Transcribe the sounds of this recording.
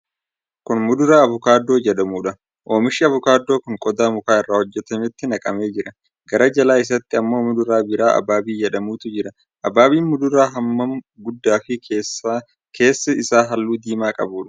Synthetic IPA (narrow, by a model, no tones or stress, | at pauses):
kʊnmʊd̪ʊɾaːɐvʊkaːd̪ːo̞ːd͡ʒɛᶑɐmuːᶑɐ | ʔo̞ːmɪʃɪɐvʊkaːd̪ːoːkʊŋkʼɔd̪aːmʊkaːɪrːaːhɔd͡ʒːɛt̪ɐmɪt̪ːɪnɐkʼɐme̞ːd͡ʒɪɾɐ | ɡɐɾɐd͡ʒɐlaːɪs̬ɐt̪ːɪɐmːo̞ːmʊd̪ʊɾaːbɪɾaːʔɐ̰baːbiːd͡ʒɛᶑɐmuːt̪ʊd͡ʒɪɾɐ | ʔɐbaːbiːnmʊd̪ʊɾaːɦɐmːɐm | ɡʊd̪ːaːfɪ | kʰe̞ːsːɐɪsaːɦɐlːuːd̪iːmaːkʼɐ̰buːᶑɐ̥